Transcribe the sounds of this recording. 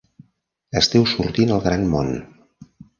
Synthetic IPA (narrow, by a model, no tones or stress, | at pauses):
əst̪ɛwsuɾt̪inəlˠɣɾanmo̰n